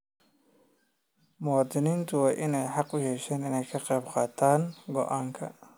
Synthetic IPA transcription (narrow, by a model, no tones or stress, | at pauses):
mɔd̪ɪnint̪ʰʊwɑːʔɪnɛjħɑqʊjɛʃɛːnɪnɛjkʰɐqɛjbqɑːt̪ʰaːŋɡɔ̰ʔaːŋkʰɐ̰